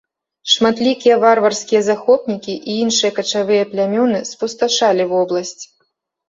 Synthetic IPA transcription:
ʂmat̪lʲikʲijɛvarvɐrsʲkʲijɐzaxɔpnʲikʲiʔiinʂɨjɐkɐt͡ʂavɨjɐplʲamʲɔnɨspust̪aʂalʲivɔblˠɐsʲt͡sʲ

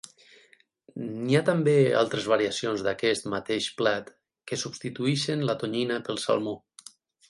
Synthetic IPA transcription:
niat̪ambea̰lˠt̪ɾezβaɾiasionzðakɛst̪mat̪eʃplat̪ | kesubst̪it̪uiʃenlat̪oɲinəpəlˠsa̰lˠmu

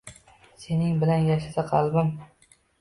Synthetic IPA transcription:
se̞nɪŋbɪlanjaʃasaqʰɑlˠbɪm

